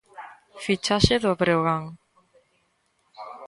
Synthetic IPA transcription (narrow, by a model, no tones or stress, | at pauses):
fit͡ʃaʃeðoβɾewɣaŋ